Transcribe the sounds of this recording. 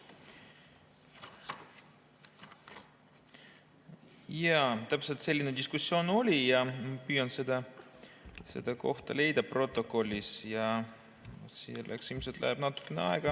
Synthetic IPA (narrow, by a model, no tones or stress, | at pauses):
jɑt̪æpselt̪se̞lʲːined̪iskusjo̞ːno̞lʲijɑmɑpyːjɑnsed̪̥ɑ | se̞̰d̪̥ɑko̞ht̪ɑ̰le̞jd̪̥ɑpro̞t̪ːˑo̞ko̞lʲːisjɑ | sḛlʔæ̰ksilmselt̪læ̰heb̥nɑt̪ːˑu̥kːˑeneɑ̰eɡ̥ɑ